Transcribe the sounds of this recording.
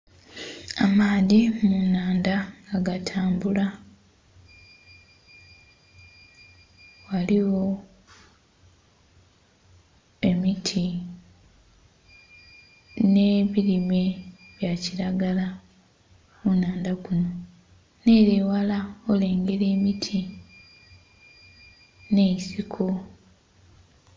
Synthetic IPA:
amaːðimunaːndaaɡatʰaːmbula | waliwo̞ | e̞mitʰi | ne̞βiɾime̞ | βjaciɾaɡala | munaːndakuno̞ | ne̞ːɾewalaole̞ːŋɡe̞ɾe̞ːmitʰi | ne̞isikʰo

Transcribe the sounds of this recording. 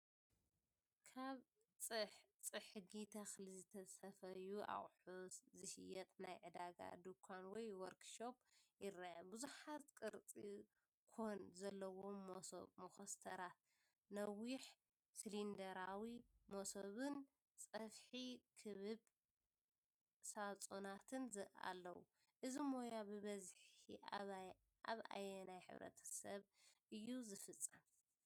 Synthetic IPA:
kʰaβ | t͡sʼɨħt͡sʼɨħɨɡit̪ʰɐxlizɨt̪ʰɐsʼɐfɐjuʔa̰χʼħuszɨʃɪjɐt̪ʼnajʕɨd̪aɡa̰d̪ukʰanwɔjwɔɾkʃo̞pjɪɾɐbuzuħat̪kʼɨɾt͡sʼi | kʰonzɐlːɐwomoso̰bmoxɐst̪ʰɐɾat̪ | nɐwiħ | slind̪ɐɾawimosoβɨn | t͡sʼɐfħikʰɨβɨβ | sat͡sʼunat̪ʰɨnzɨʔa̰lːɐwṵ | ʔɨzimo̞jabɨβɐzħḭ | a̰βʔa̰jɛnajħɨ̰βɾɐ̰t̪ʰɐ̥sɐβʔɨjːuzɨfɨt͡sʼːɐm

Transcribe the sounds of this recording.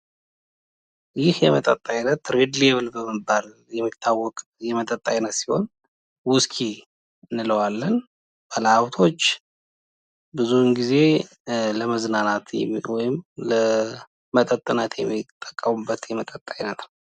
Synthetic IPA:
jɪhjɛmət̪ʼət̪ʼːajnət̪ɾed̪ljɛβɨlbəmɨbal | jɛmːit̪ʰːawːɔkʼjɛmət̪ʼət̪ʼːajnət̪siho̞̰n | wʊskʰi | ɨnːɨləwalːən | b̥ələawt̪ʰo̞t͡ʃː | bɨzunɡize̞ | ləməznanat̪wɔjɪmlə | mət̪ʼət̪ʼːɨnat̪ʰjɛmːit̪ʼːəkʼːəmubːət̪jɛmət̪ʼət̪ʼːajnət̪nə

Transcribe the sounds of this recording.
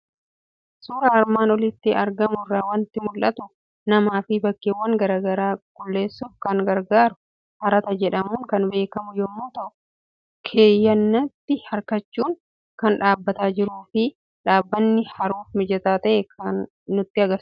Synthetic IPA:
suːɾɐɐɾmaːnɔlɪt̪ːɪɐɾɡɐmʊrːaːwɐnt̪ːɪmʊlʔɐt̪ʊ | nɐmaːfɪbɐkːeːwːɐŋɡɐɾaːɡɐɾaːɡʊlːe̞ːsːʊfkɐŋɡɐɾɡaːɾʊ | hɐɾɐt̪ɐd͡ʒɛᶑɐmuːŋkɐnbe̞ːkɐmʊjɔmːoːt̪ɐʔʊ̥ | kʰe̞ːjːɐnːɐt̪ːɪhɐɾkɐt͡ʃːuːŋ | kɐnᶑaːbːɐt̪aːd͡ʒɪɾuːfɪ | ᶑaːbːɐnːɪhɐɾuːfmɪd͡ʒɐt̪aːt̪ɐʔɛkʰɐnː | ʊt̪ːɪɐɡɐs

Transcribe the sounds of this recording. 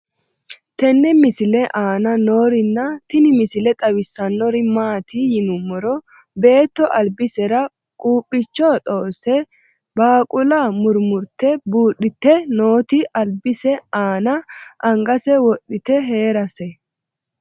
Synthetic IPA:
t̪ɛnːɛmɪsɪlɛʔaːnɐno̞ːɾɪnːɐt̪ɪnɪmɪsɪlɛt̪ʼɐwɪsːɐnːɔɾɪmaːt̪ʰijɪnʊmːɔɾɔ | be̞ːt̪ːɔʔɐlbɪsɛɾɐ | kʼuːpʼːɪt͡ʃːɔt̪ʼo̞ːsɛ | baːkʼʊlamʊɾmʊɾt̪ːɛbuːɗɪt̪ːɛno̞ːt̪ɪʔɐlbɪsɛaːnɐʔɐŋɡɐsɛwɔɗːɪt̪ɛɦe̞ːɾɐsɛ

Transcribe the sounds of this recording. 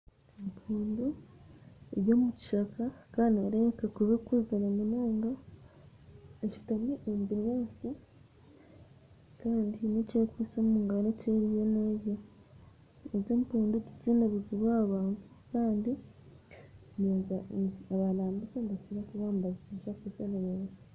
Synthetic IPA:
empʰuːndu | eβjo̞ːmuci̥ʃakakaːndieɾekakuβekuzeɾamunaːŋɡa | eci̥tameʔembiɲasi | kaːndinecekwisommuːŋɡaneceɾijeneje | ezeːmpuːnduɟiziːnaβuziβwaːβaːntu̥ | kaːndi | neːzaaβalaːmbikeŋɡatiɾakuβaːmbaziiʃakuzeneɾe

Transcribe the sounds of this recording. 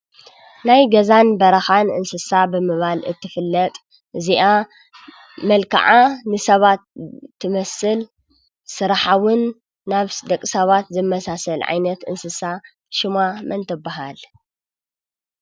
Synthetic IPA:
najɡɐzanbɐɾɐxanʔɨ̰nsɨsabɨmɨβalɨ̰t̪ʰːɨfɨlːɐt̪ʼ | ʔɨziʔa | mɐlkʰa̰ʕanɨsɐβat̪ʰːɨmɐsɨl | sɨɾaħawɨnː | aβd̪ɐkʼsɐβat̪zɨmːɐsasɐlʕa̰jnɐt̪ɨ̰nsɨsa | ʃɪmamɐnt̪ʰɐbaɦal

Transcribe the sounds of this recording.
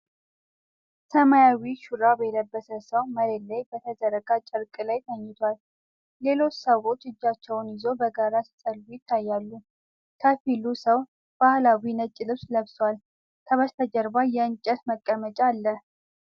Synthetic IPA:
səmajawiʃuɾabəjɛd̪əbːəsəsəwməɾelajbət̪ʰəzəɾəɡʼat͡ʃʼɪɾkʼɨlajt̪ʰəɲːɪt̪ʰwalː | e̞lo̞t͡ʃːsəwo̞t͡ʃːɨd͡ʒːat͡ʃːɛwnjɪzo̞bəɡaɾasə̥sʼəlɡujɪt̪ʰːajːalːu | k̪ʰəfilusəw | b̥ahlawinət͡ʃʼːɪlɨβsləβswal | k̪ʰəβəst̪ʰəd͡ʒəɾbajɛɨnt͡ʃʼət̪məkʼːəmət͡ʃʼalːə

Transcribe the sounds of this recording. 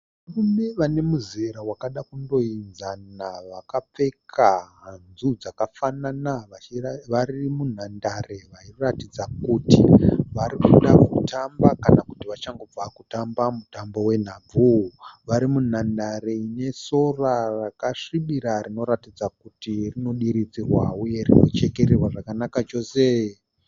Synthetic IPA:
ʋarume̞ʋane̞muzeɾawakaɗakundo̞inzanaʋakap͡fe̞kkʰaɦnzud͡zakafananaaʋarimun̤andare̞ʋairatid͡zakutiʋaɾikuɗakutambakanaku̥tiʋat͡ʃaŋɡo̞b͡vakutambamutambo̞we̞n̤aːb͡vuʋaɾimun̤andaɾeine̞so̞rarakaʂiɓiɾaɾino̞ɾatid͡zakutirino̞ɗiɾid͡zirwauje̞rino̞̰t͡ʃe̞ke̞ɾerwaʐakanakat͡ʃo̞se

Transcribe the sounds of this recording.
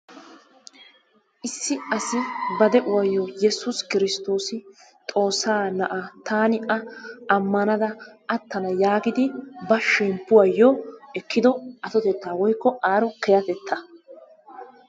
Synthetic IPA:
ʔɪsːɪɐsɪbɐd̪ɛʔʊwɐjːoːjɛsʊskɪɾɪst̪o̞ːsɪ | t̪ʼo̞ːsːaːnɐʔɐt̪aːnɪʔɐɐmːɐnɐd̪ɐɐt̪ːɐnɐjaːɡɪd̪ɪbɐʃːɛmpːʊwɐjːoːɛkːɪd̪ɔʔɐt̪ɔt̪ɛt̪ːaːwɔjkːɔʔaːɾɔkɛjɐt̪ɛt̪ʰːɐ

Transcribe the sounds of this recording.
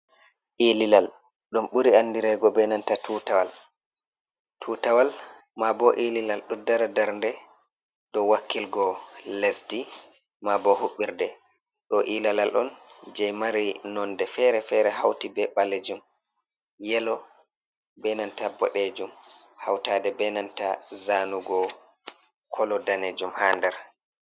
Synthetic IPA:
ʔililal | ɗumɓuɾiandiɾɛɡɔbɛnantatʰutawal | tʰutawalmabɔʔililalɗɔdaɾadaɾndɛ | ɗɔwakːilɡɔlesdi | mabɔhuɓːiɾdɛ | ɗɔʔilalalʔɔ̰nd͡ʒɛjmaɾinɔndɛfɛɾɛfɛɾɛɦawtibɛɓaled͡ʒum | jɛlɔ | bɛnantabɔ̰ɗed͡ʒumhawtadɛbɛnantazanuɡɔ | kʰɔlɔdaned͡ʒumhaːndɛɾ

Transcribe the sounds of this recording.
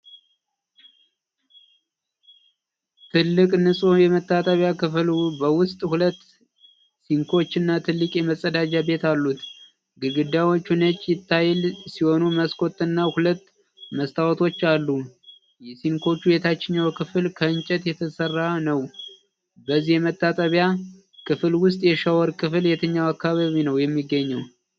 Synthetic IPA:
t̪ʰɨlːɨkʼnɨsʼojɛmət̪ːat̪ʼaβjakɨflubəwʊst̪ʼhulət̪ː | siŋkʰo̞t͡ʃːɨnːat̪ʰɨlːɨkʼjɛməsʼəd̪ad͡ʒabe̞t̪alːut̪ | ɡɨɡɨd̪awo̞t͡ʃːunət͡ʃʼːjɪt̪ʰːajɛlsiho̞numəskʰo̞t̪ːɨnːahulət̪ː | məst̪ʰawɔt̪ʰo̞t͡ʃːalːu | jɛsiŋkʰo̞t͡ʃːubet̪ʰat͡ʃːɪɲːawkʰɨfɨlkʰəɨnt͡ʃʼɛt̪jɛt̪ʰəsərːanəw | bəzːihjɛmət̪ːat̪ʼəβja | kʰɨfɨlwʊst̪ʼjɛʃawɔɾkʰɨfljɛt̪ʰəɲːawakːaβaβinəwjɛmːiɡːəɲːəw

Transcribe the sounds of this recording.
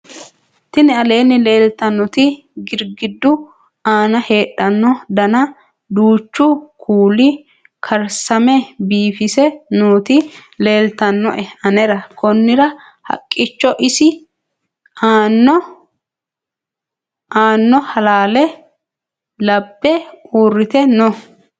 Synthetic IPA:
t̪ɪnɛɐle̞ːnːɪle̞ːlt̪ɐnːɔt̪ɪ | ɡɪɾɡɪd̪ːʊ | aːnɐhe̞ːᶑɐnːɔd̪ɐnɐ | d̪uːt͡ʃːʊkʰuːlɪ | kʰɐɾsɐmɛbiːfɪsɛnuːt̪ɪle̞ːlt̪ɐnːɔ̰ʔɛɐnɛɾɐkʰɔnːɪɾɐ | hɐ̰kʼːɪt͡ʃːɔʔɪsɪ | aːnːɔ | aːnːɔhɐlaːlɛ | lɐbːɛuːrːɪt̪ɛnɔ

